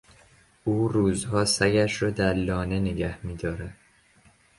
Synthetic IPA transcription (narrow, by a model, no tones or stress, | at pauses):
ʔuːɾuːzhɒːsæɡæʃɾɒːd̪æɾlːɒːne̞neɟæhmiːd̪ɒːɾæd̪̥